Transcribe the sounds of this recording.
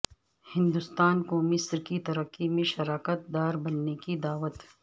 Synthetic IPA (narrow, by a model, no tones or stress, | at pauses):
hɪ̃nd̪ʊst̪aːnkomɪsɾkit̪ɐɾəqːimẽʃɐɾaːkət̪̚d̪aːɾbɐnːekid̪aːʋət̪